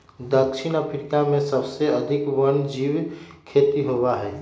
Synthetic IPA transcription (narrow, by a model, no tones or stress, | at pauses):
d̪əkʃʰɪnəpʰɾkamẽsəbseəd̪ʱɪkwənd͡ʒiwkʰet̪iɦowaɦɛː